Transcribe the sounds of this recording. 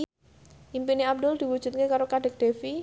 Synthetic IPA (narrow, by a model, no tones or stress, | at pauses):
ʔimpiniab̚d̪ʊld̪̥i̤wud̥ʒ̥ṳt̪̚kekaɾokaɖ̥ə̤k̚d̪̥e̤fi